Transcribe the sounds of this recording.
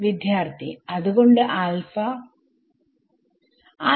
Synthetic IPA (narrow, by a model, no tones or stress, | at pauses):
ʋid̪jaːrt̪ʰiɐðuɣo̞ɳɖɨʔaːlfɐ